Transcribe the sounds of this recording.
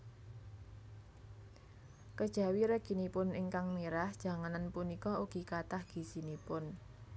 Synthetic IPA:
kəd̥ʒ̥a̤wiɾəɡ̥i̤nipʊnɪŋkaŋmiɾahd̥ʒ̥a̤ŋananpunikɔuɡ̥i̤kat̪ahɡ̥i̤sinipʊn

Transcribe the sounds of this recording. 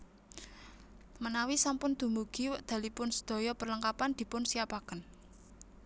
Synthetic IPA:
mənawisampʊnd̪̥ṳmuɡ̥i̤wəʔd̪̥ä̤lipʊnsə̥d̪̥ɔ̤jɔpərləŋkapand̪̥i̤pʊnsiapakən

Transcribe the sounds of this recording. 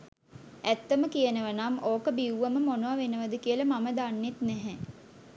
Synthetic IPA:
æt̪ːəməkijənəʋənamoːkəbiwʋəməmonoʋaʋenəʋəd̪əkiəlɐmaməd̪anːet̪nɛɦɛ

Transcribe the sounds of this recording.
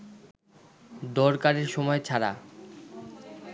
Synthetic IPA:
d̪ɔɾkaɾeɾʃɔmɔet͡ɕʰaɾa̰

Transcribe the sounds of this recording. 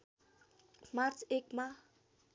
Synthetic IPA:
mart͡sekma

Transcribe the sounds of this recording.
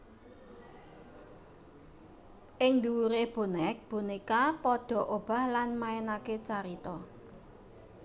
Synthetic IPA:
ʔɪŋd̪uwuɾeb̥o̤nɛk̚b̥unikapɔɖ̪̥ɔ̤ʔob̥a̤hlanmaenaket͡ʃaɾit̪ɔ

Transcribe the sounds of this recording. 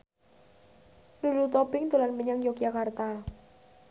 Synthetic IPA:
lulut̪ɔbɪŋt̪ulanməɲaŋjokijakart̪a

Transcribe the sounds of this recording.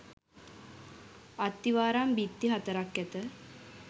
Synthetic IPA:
at̪ːiʋaːɾambit̪ːiɦat̪əɾakːæt̪ə

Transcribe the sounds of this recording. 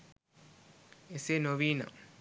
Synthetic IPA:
esenoβina̰

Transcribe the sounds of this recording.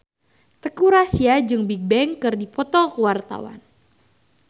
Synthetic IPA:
t̪əkuɾasiad͡ʒɨŋbik̚bɛŋkɨrdipɔt̪ɔkəwart̪a̰wa̰n

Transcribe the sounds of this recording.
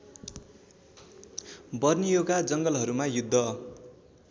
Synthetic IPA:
bʌrnijoɡad͡zʌŋɡʌlɦʌɾumajud̪ʱːʌ

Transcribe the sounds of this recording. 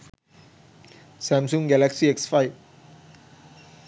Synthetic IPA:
sɛ̃msũŋɡɛlɛksiɛksfajf

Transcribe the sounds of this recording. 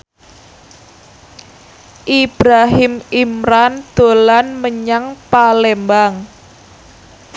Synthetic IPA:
ʔib̥ɾaɦɪmimɾand̪̥o̤lanməɲaŋpalembaŋ

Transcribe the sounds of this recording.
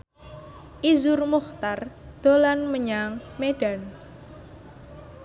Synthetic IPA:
ʔizʊrmuxt̪ard̪̥olanməɲaŋmeɖ̥an

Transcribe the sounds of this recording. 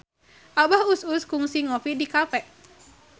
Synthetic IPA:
ʔabahususkuŋsiŋofidikafɛʔ

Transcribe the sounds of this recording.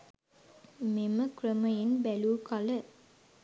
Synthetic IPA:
meməkrəməjenbæluːkalə

